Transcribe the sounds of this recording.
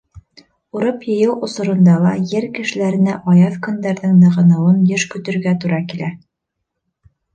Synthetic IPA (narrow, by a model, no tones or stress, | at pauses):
uɾɤpjɤ̆jɤwʔŏsŏɾɤ̆nd̪ɑlˠɑjɘɾkɘ̆ʃɘ̆læɾɘ̆næʔɑjɑðkɵ̆nd̪æɾðɘŋnɤ̆ʁɤ̆nɤ̆wɤnjɘʃkɵ̆t̪ɵ̆ɾɡæt̪uɾɑkilæ